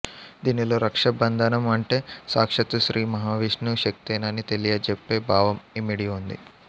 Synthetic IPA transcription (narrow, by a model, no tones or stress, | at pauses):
d̪iːnilo̞ːɾɐkʂɐbɐnd̪ʱanɐmɐɳʈeːsaːkʂɐt̪uʃɾʔiːmɐɦaːʋiːʂnuʃɐk̚t̪eːnaːnit̪elijɐd͡ʒepːeːbʱaːʋɐmimiɽiund̪ḭ